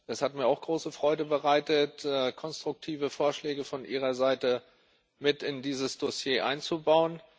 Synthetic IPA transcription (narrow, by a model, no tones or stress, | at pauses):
ʔɛshatmiːɐaʊxɡ̥ʁoːsəfʁ̥ɔʏdəbəʁaɪtətɛkʰɔnstʁ̥ʊk̚tʰiːvəfoːɐʃlɛːɡəfɔnʔiːʁ̞ɐzaɪtə | mɪtɪndiːzəsd̥osjeːʔa̰ɪnt͡subaʊən